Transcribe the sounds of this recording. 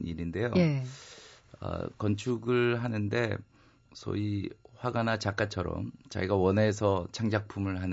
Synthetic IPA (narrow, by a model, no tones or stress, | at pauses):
niɾinde̞jo | ʌ̰kʌnt͡ɕʰuɡɯɭɦanɯnde̞ | sʰʌ̰iɸwaɡanat͡ɕak͈at͡ɕʰʌɾʌ̰mt͡ɕa̰ɡiɡawʌnesʰʌt͡ɕʰaŋd͡ʑak̚pʰumɯɭɦan